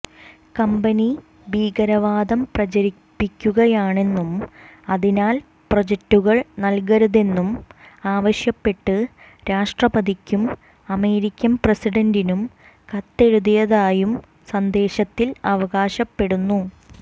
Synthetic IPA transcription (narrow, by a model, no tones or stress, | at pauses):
kɐmbɐni | biːɡɐɾɐʋaːd̪ɐmprɐt͡ɕɐɾipːikʲːuɣɐjaːɳe̞nːumɐðinaːl | prod͡ʑek̚tːuɣɐɭnɐlkɐɾɐðe̞nːumaːʋɐɕjɐpːe̞ʈːɨ | ɾaːʂʈrɐbɐðikʲːum | ɐme̞ːɾikʲːɐmpresiɖɐndinum | kɐt̪ːe̞ɻuðijɐðaːjum | sɐnd̪e̞ːɕɐt̪ːilɐʋɐɣaːɕɐpːe̞ɽunːu